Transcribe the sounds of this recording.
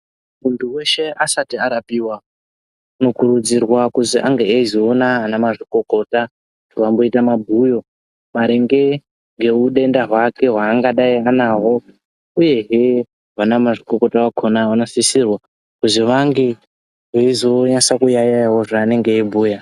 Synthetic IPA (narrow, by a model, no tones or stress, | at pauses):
muntʰuwe̞ʃe̞asatiaɾapiːwa | no̞kuɾud͡zirwakuziʔaŋɡeeizoːnaːnamaʐiko̞ko̞ta | utʰuʋambo̞itamabʱujo̞ | maɾe̞ŋɡe̞ | ŋɡe̞uɗe̞ndaɦwake̞ɦwaːŋɡaɗaianaɦo̞ | uje̞ɦe | ʋanamaʐiko̞ko̞tawakʰonaʋanosisirwa | kuziʋaŋɡe | ɦeizo̞ɲasakujajajawo̞ʐaːne̞ŋɡe̞ːbʱuːja